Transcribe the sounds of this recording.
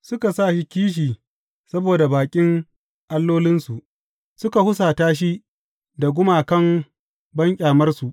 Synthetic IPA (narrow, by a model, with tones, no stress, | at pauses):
sʊ˦ka˨saː˦˨ʃi˦kʲiː˦ʃ̬iː˨ | sɐ˦boː˨da˨baː˨kʲʼɪ˦ŋ | ʔa˦lːoː˦lɪ˦nsu˨ʔ | sʊ˦ka˨hʊ˦s̬aː˨taː˦ʃ̬i˦ | da˨ɡʷʊ˦maː˨kɐ˦˨m | bɐ˦ŋkʲʼaː˨mɐ˦rsu˨ʔ